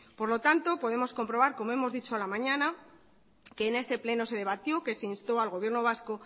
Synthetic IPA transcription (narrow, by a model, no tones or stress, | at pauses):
poɾlo̞t̪ant̪o̞po̞ð̞e̞mo̞sko̞mpɾo̞βaɾko̞mo̞e̞mo̞zðit͡ʃoalamãɲãna | ke̞ːne̞se̞ple̞no̞se̞ð̞e̞βat̪jo̞ke̞seinst̪o̞alɣo̞β̞je̞ɾno̞β̞asko̞